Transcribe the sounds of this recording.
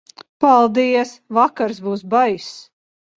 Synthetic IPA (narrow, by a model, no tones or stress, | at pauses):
palˠd̪iɛsvakaɾsbuːsbajs